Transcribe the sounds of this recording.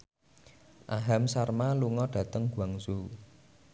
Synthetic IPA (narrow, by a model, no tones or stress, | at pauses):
ʔaɦamsarmaluŋɔɖ̥ä̤t̪əŋɡ̥uaŋsu